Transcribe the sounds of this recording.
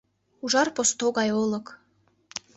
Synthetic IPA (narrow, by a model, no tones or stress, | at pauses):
uʒɑrpost̪oɣɑjolɤ̆k